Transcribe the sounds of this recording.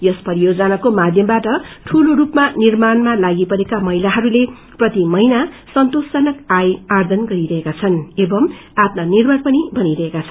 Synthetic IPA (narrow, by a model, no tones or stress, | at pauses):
jʌspʌɾijod͡zʌnakomad̪ʱjʌmbaʈʌʈʰuloɾupmanirmanmalaɡipʌɾekamʌɦilaɦʌɾule | prʌt̪imʌina | sʌnt̪osʌnʌkajard̪ʱʌnɡʌɾiɾʌɦekat͡sʰʌnebʌmap̪nʌnirbʱʌrpʌnibʱʌniɾʌɦekat͡sʰʌn